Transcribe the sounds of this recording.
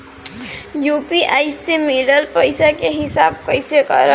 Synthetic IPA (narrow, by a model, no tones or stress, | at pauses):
jupiʔajsemiləlpəjsakeɦisab̚kəjsekʌ̰ɾə